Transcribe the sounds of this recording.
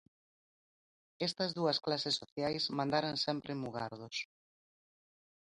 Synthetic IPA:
ɛst̪ɐzðuɐsklasesːoθjajsmãnd̪aɾansɛmpɾɪmuɣaɾðʊs

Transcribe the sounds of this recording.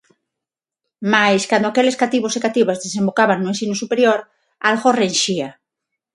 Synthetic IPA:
majskand̪oakeleskat̪iβosekat̪iβazðesẽmbokaβanːuensinusupeɾjoɾ | alɣorenʃia

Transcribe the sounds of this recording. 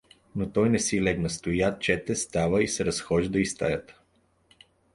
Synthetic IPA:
not̪ɔjnɛsilɛknɐst̪ojat̪̚t͡ʃɛt̪ɛst̪avəisɛɾɐsxɔʒid̪ɐist̪a̰jət̪

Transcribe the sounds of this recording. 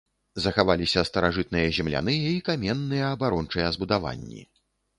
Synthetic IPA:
zɐxavalʲisʲɐst̪ɐɾaʐɨt̪̚nɨjɐzʲɛmlʲa̰n̪ɨjɐikamʲɛnːɨjɐːbaɾɔnt͡ʂɨjɛzbud̪ava̰nʲːḭ

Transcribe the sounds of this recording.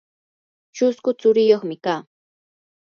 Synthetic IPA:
t͡ʃʊskʊt͡sʊɾɪjoχmɪkaː

